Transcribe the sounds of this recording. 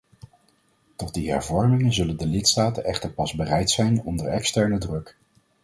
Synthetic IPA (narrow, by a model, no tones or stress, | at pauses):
tɔt̚diɦɛ̰ɹvɔɹmɪŋənzɵləndəlɪtstaːtənʔɛχtəɹpɑzbərɛjtsɛjnɔndəɹɛkstɛɹnədrɵk